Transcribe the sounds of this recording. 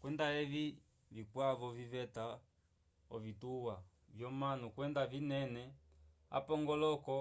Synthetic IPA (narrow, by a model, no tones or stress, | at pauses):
kwɛndaɛvi | vikwavɔvivɛta | ɔ̰vituwa | vjɔmanukwɛndavinɛnɛ | a̰pɔŋɡɔlɔkɔ